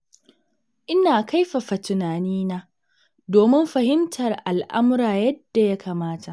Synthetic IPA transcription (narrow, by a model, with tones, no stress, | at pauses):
ʔɪ˦naː˨ka˦jɸa˨ɸa˨tʊ˨naː˨niː˦naː˦ | doː˨mɪ˦mɸɐ˨hɪ˦mtʰɐ˨rʔa˨lʔa˦mʊ˦ɾaː˨jɐ˦d̥ːa˨ja˦kʰaː˨maː˦ta˨ʔ